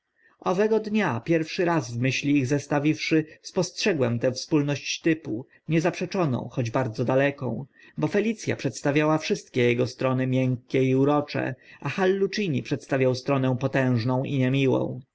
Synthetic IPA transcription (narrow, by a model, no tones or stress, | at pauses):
ɔvɛɡɔd̪ɲapʲjɛɾfʂɘɾazvmɘɕlʲiːɣzɛst̪avʲifʂɘspɔstʂɛɡwɛmt̪ɛfspulnɔɕt͡ɕt̪ɘpu | ɲɛzapʂɛt͡ʂɔnɔ̰̃w̃xɔd͡ʑbaɾd̪zɔd̪alɛkɔ̰̃w̃ | bɔfɛlʲit̪sʲja̰pʂɛt̪st̪avʲjawafʂɘst̪kʲɛjɛɡɔst̪ɾɔnɘmʲjɛŋkʲːɛiuɾɔt͡ʂɛ̰axalːut͡ʂiɲipʂɛt̪st̪avʲjawst̪ɾɔnɛ̃w̃pɔt̪ɛ̃w̃ʐnɔ̃w̃ʔiɲɛmʲiwɔ̰̃w̃